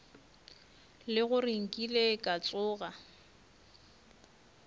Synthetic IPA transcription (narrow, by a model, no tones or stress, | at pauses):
lɪɣʊriŋ̩kʼilekʼat͡sʼʊːɣa